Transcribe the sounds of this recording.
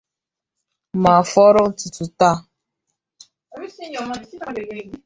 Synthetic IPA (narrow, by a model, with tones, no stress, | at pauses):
ma˨fɔ˦ɾʊ˦tu˨tu˨ta˦˨ | mi˦si˦ɲɔ˨m˦˨˦e˨e˨˦